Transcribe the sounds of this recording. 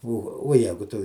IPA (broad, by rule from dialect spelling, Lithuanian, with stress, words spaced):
oː oː ˈjæːɡʊ ˈtʊ